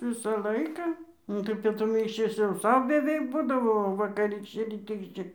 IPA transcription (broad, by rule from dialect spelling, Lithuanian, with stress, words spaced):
ˈʋʲɪsɐ ˈlˠɐɪkɐ ˈnʊ tɐɪ pʲiɛtʊˈmʲɪ ɪʃʲˈʋʲɪs jɛʊ ˈsɐʊ bʲɛˈʋʲɛɪk ˈbuːdɐʋoː oː ʋɐkɐˈrʲiːkʃʲt͡ʃʲɛ rʲiːˈtʲiːkʃʲt͡ʃʲɛ